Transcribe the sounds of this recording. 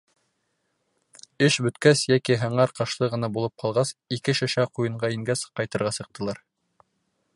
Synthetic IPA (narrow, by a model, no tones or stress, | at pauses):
ɘʃbɵ̆t̪kæsjækiɦɤ̆ɴɑɾqɑʃlˠɤʁɤ̆nɑbulˠɤp̚qʰɑlˠʁɑsikɘʃæʃæqujɤ̆ɴɢɑiŋɡæsqɑjt̪ɤ̆ɾʁɑsɤ̆q̚t̪ɤ̆lˠɑɾ